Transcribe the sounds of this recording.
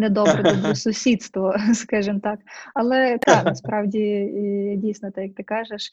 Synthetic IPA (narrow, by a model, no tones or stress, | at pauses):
nɛd̪ɔbɾɛd̪ɔbɾɔsʊsʲid̪st̪ʋɔskɑʒɨmt̪ɑkɐlˠɛt̪ɑnɐspɾɑwdʲi | dʲijsʲnɔt̪ɪjɐk̚t̪ɪkɑʒeʃ